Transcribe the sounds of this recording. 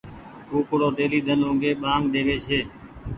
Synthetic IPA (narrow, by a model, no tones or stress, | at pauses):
kuːpʊɽoːɗ̪eːliːd̪ʱənõːɡeːɓaːŋɡd̪eːʋeːt͡ʃʰeː